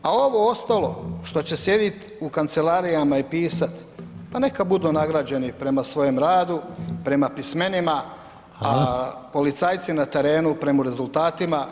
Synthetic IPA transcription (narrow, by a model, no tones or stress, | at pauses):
ao̞ʋo̞ost̪alo̞̰ʃt̪o̞t͡ɕe̞sje̞d̪it̪ | ukant̪se̞laɾijamaipiːsat̪ | pane̞kabud̪unaɡɾad͡ʑe̞nipɾe̞masʋo̞jemɾaːd̪upɾe̞mapisme̞nima | apo̞lit̪saːjt̪sinat̪e̞ɾe̞ːnupɾe̞moɾe̞zult̪aːt̪ima